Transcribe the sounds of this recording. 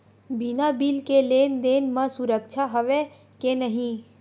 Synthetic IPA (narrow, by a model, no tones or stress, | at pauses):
binabilkeleːnd̪eːnməsuɾəkt͡ʃʰaɦəʋe | kenəɦĩ